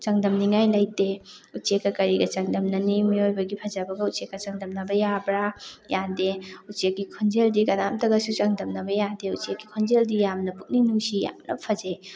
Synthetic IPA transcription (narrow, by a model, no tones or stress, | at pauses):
t͡ʃɐŋdɐmniŋajlɐjteut͡ʃekːɐkɐɾiɡɐt͡ʃɐŋdɐmnɐnimiojbɐɡipʰɐd͡ʒɐbɐɡɐut͡ʃekːɐt͡ʃɐŋdɐmnɐbɐjabɾajadeut͡ʃekːikʰɔnd͡ʒeldikɐnamtɐɡɐsut͡ʃɐŋdɐmnɐbɐjadeut͡ʃekːikʰɔnd͡ʒeldijamnɐpuk̚ninuŋsija̰mnʔɐ̰pʰɐd͡ʒe